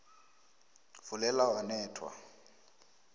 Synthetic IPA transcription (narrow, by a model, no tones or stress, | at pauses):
vʊlɛlawanɛːtʰwa̰